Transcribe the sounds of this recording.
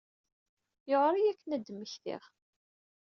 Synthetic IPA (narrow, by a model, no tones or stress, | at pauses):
joʁɾˤijækːənæd̪ːmːəçθḭʁ